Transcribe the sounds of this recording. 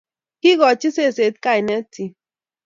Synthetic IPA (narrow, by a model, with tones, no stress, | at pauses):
ki˦ɣɔ˨t͡ʃi˦se˦˨se˨˦t̪̚ka˦i˨nɛ˦ti˦